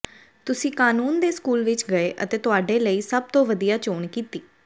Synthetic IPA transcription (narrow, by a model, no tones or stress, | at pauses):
t̪ʊsĩːkaːnuːnd̪eːskuːlʋɪt͡ʃɡəeːʔət̪eːt̪ʊaːɖeːləiːsəb̚t̪õːʋəd̪ijaːt͡ʃoːɳkiːt̪iː